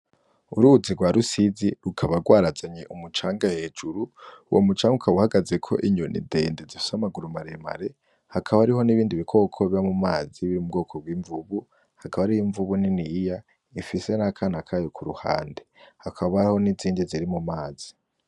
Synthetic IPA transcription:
uɾuziɡwaɾusiziɾukʰaβaɡwaːɾazaɲeʔumut͡ʃaːŋɡahe̞ːd͡ʒuɾuwo̰mut͡ʃaːŋɡukʰaβuhaɡazekʰo̞̰ʔiɲonḭdeːndezifi̥samaɡuɾumaɾema̰ɾe̞ | hakʰaβaɾiɦo̞niβiːndiβikʰo̞ːkʰo̞βamumaːziβiɾimub̚ɡo̞ːkʰoɡwiːɱvuβu | hakaβaɾijiɱvuβuninija | ifise̞nakʰanakʰaːjo̞kʰuɾuha̰ːndehakʰaβaho̞niziːndiziɾimumaːz̥i̥

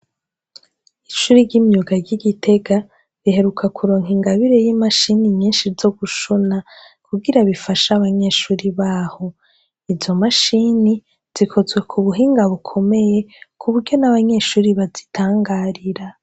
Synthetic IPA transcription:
iʃuːɾiɟimɲuɡaɟiɡitʰe̞ɡa | βiɦe̞ɾukʰakʰuɾoːŋhiŋɡaβiɾe̞jimaʃiniɲiːnʃizo̞ɡuʃuna | kuɡiɾaβifaʃaβaɲe̞ːʃuːɾiβaːho̞ | izo̞maʃini | z̥ikʰo̞zɡwe̞kʰuβuɦiːŋɡaβukʰo̞me̞je̞kʰuβuɾɟo̞naβaɲe̞ʃuːɾiβazitʰaːŋɡaːɾiɾa

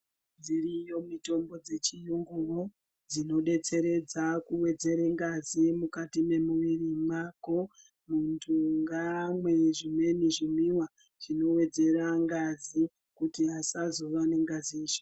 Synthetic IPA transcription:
d͡zirijo̞mito̞mbo̞d͡ze̞t͡ʃijuŋɡuro | d͡zino̞ɗe̞t͡se̞ɾe̞d͡zakuwe̞d͡ze̞ɾeŋɡazimukatime̞muʋirimako̞ | muntʰuŋɡamwe̞ʐime̞niʐimiwa | ʐ̥ino̞we̞d͡ze̞ɾaŋɡazi | kutiasazo̞ʋane̞ŋɡaziiːʃo̥

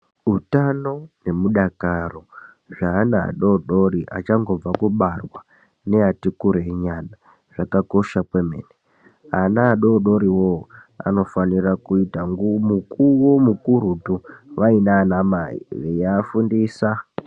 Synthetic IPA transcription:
utano̞ne̞muɗakaro̞ | ʐaːna̰ːɗo̞ɗo̞ɾiʔa̰t͡ʃaŋɡo̞b͡vakuɓarwa | neatikuɾeɲana | ʐ̥akako̞ʃakwe̞mḛːne | a̰naːɗo̞ɗo̞ɾiwoa̰no̞fanirakuitaŋɡumukuwomukuɾutuʋainaːnamaḭʋejaːfundiːsa

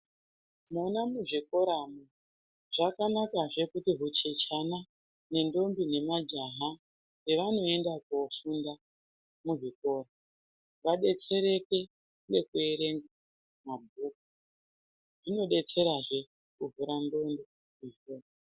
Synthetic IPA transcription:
monamuʐiko̞ɾamu | ʐ̥akanakaʐe̞kutiɦut͡ʃet͡ʃana | ne̞ndo̞mbine̞mad͡ʒaɦa | neʋano̞e̞ndakofunda | muʐiko̞ːra | ʋaɗe̞t͡se̞ɾe̞ke̞ | nekue̞ɾe̞ŋɡa | mabʱuːk̚u | ʐ̥ino̞ɗe̞t͡se̞ɾaʐe̞ | kuɦuɾando̞ndo | iou

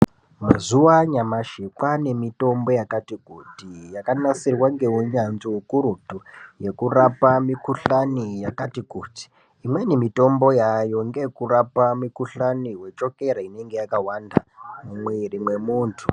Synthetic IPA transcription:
mazuwaɲamaʃikwane̞mito̞mbo̞jakatikutijakanasirwaŋɡe̞uɲanziukuɾutuje̞kurapamikuɬanijakatikuti̥ː | mwe̞nemito̞mbo̞jajo̞ŋɡekurapamikuɬaniwe̞t͡ʃo̞ke̞ɾaine̞ŋɡe̞jakawandamamwerimwe̞muːntʰu

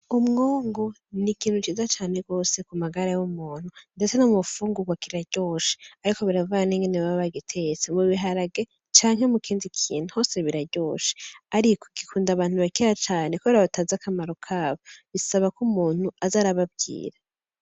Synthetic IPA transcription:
umŋoːŋɡo̞ | nikiːn̥ut͡ʃiːzat͡ʃaːne̞ɡo̞ːse̞kumaɡaɾajumuːn̥hunde̞t͡se̞nomufuːŋɡuɡwakiɾaɾɟo̞ʃe̥aɾiko̞βiɾavuɡaniːŋɡeneβaββaɡitʰet͡semuβiɦaɾaɡe̞ | t͡ʃaːŋ̥e̞mukʰiːnzikʰḭːnuho̞ːse̞βiɾaɟo̞ːʃe̥aɾikokikʰuːndaβaːn̥huβakiɾat͡ʃaːnekuβe̞ɾaβataːzakamaɾokʰaːβoβisaβakumuːn̥huazaːɾaβab̚ɡḭːɾa

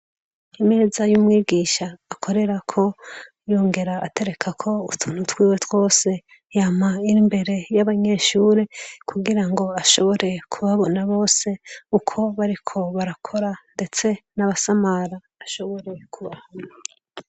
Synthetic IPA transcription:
ime̞ːzajumŋiːɡiʃaːkʰo̞ɾe̞ɾakʰo̞ | jo̞ːŋɡe̞ɾa̰ːte̞ɾe̞kʰakʰo̞utʰun̥utwiːwe̞two̞ːse̞ | jamaiɾimbe̞ɾe̞jaβaɲe̞ʃuːɾe̞kʰuɡiɾaŋɡo̞aʃo̞βo̞ɾe̞kʰuβaβo̞naβo̞ːse̞ukʰo̞βaɾikʰo̞βaɾakʰo̞ɾande̞t͡se̞naβasamaɾaːʃo̞βo̞ɾe̞kʰuβahana

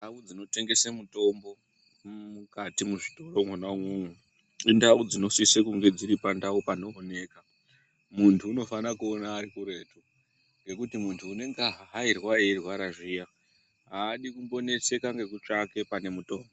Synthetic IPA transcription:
nndaud͡zino̞te̞ŋɡe̞semuto̞mbo̞ | mukatimuʐito̞ro̞mwenaumwumwe | indaud͡zino̞sisekuŋɡe̞d͡ziɾipandaupano̞ːne̞ːka | muntʰuːno̞fanakuonaːrikuɾe̞ːtʰu | ŋɡe̞kutimuntʰuːne̞ŋɡaɦaɦairwaerwaɾaʐija | ɦaːɗikumbo̞ne̞se̞kaŋɡe̞kut͡ʂake̞pane̞muto̞ːmbo̞

